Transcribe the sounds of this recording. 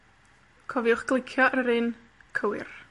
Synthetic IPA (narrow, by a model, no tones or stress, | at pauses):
kʰɔviʊχɡ̥lˠɪkʰjɔʔrəɾɨn | kʰəwɪr